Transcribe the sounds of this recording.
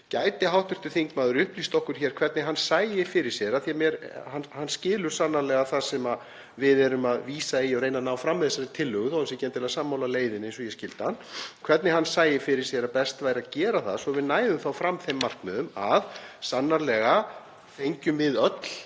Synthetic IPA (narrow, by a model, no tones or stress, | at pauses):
caːjt̪ɪɦawht̪ʏr̥t̪ʏ̥θiŋkmaːðʏɾʏhpliːst̪ɔhkʏɾ̥çɛɾkʰvɛɾt̪nɪɦanːsaːjɪfɪɾɪɾ̥sjɛɾaθijamjɛɾhanhanːscɪːlʏɾ̥sanːaɾlɛɣaθasɛma | vɪðɛɾʏmaðviːsaijɔɾejnanaːwfɾamːɛðɪsaɾɪt̪ʰɪlːʏɣʏθowhɛns̬ɪcɛnt̪ɪlɣasaːmːawlaleːjðɪnẽjnsɔjɛscɪlt̪hanːkʰv̥ɛɾt̪nɪɦanːsaːjɪfɪɾɪɾ̥sjɛɾapɛst̪vaːjɾaðcɛːɾaθaðsɔvɪðnaːjðʏmθawfɾamːθejmːar̥kmʏðʏmaðsanːaɾlɛɣa | θejɲcʏmvɪðœt̪l̥